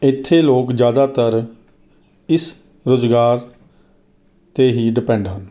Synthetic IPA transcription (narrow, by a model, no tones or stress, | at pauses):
ɪt̪ʰːeːloːkd͡ʒjaːd̪aːt̪əɾ | ɪs | ɾoːzɡaːɾ | t̪eːɦiːɖɪpɛ̃ːɳɖɦən